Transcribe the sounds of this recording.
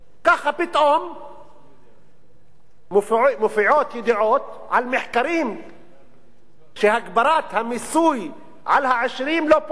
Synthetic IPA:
kaxapɪt̪ʔom | mʊfmʊfiʕoːt̪jɪd̪iʕoːt̪ | ʕalmɪħkaɾiːm | ʃehaɡbɑɾˤaːt̪hamɪsuːj | ʕa̰lhaʕɪʃɾiːmlop

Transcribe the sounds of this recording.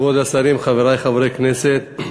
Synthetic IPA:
od̪asaɾimχaveʁajχavɾekneset̪̚

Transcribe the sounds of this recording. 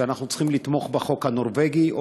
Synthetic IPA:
anaχnut͡sχimlit̪mo̞χbeχo̞khanoʁveɡiʔo

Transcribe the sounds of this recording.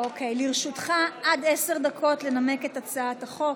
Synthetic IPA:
okejliʁʃutχaʔadese̞ʁd̪akʰo̞tle̞name̞ke̞tat͡saataχo̞k

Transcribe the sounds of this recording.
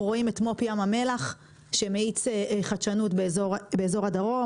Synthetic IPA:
ʁoime̞tmo̞piamame̞laχ | ʃe̞meit͡seχat͡ʃanutbezobeezo̞ʁadaʁo̞

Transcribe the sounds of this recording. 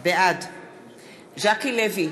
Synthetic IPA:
bɛad | ʒakilevi

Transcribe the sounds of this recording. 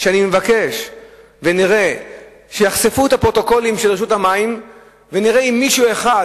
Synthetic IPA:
ʃeanimevake̞ʃ | veniʁe̞ | ʃejaχsefuethapʁo̞t̪o̞ko̞limʃelʁeʃ̬ut̪hamaim | veniʁe̞imːiʃue̞χa

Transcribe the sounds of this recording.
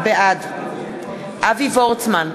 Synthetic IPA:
bɛad̪ | avivɔltman

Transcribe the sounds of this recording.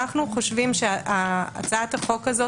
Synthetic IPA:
aχnuχoʃvimʃeaa̰t͡saat̪aχokazo

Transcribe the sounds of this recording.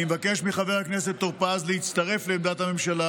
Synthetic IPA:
imvakeʃmiχaveʁaknese̞t̪ːoʁpazlehit͡st̪ɐʁe̞fleːmd̪at̪hame̞mʃala

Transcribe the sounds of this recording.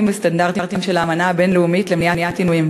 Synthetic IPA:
mvest̪andaʁt̪iʁt̪imʃelaːmanaabe̞nleumitlemnijanijat̪inujim

